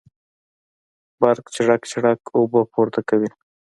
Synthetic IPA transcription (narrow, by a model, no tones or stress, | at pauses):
baɾkt͡ʃɪɽakt͡ʃɪɽakobopoɾt̪akawi